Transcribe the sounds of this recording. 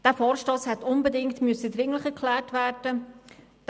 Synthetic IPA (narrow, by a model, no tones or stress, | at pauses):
d̥æːfɔːɾʃtoːshɛtʊnbədɪŋtmʏsədɾɪŋləχɛɾkʰlæːrtvæːɾd̥ə | d̥